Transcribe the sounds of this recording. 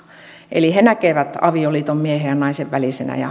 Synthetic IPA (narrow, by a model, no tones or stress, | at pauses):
ʔḛlihenækeʋæt̪ɑ̰ʋioliːt̪ommiehejɑnɑiseʋʋælisenæ̰jɑ̰